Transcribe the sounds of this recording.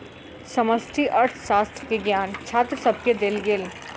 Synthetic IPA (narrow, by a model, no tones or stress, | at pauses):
sɐməsʈ̪ʰiʔɐɾt̪ʰʃaːst̪ɾəkeɡjaːnt͡ʃʰaːt̪ɾsɐb̚ked̪elɡɪl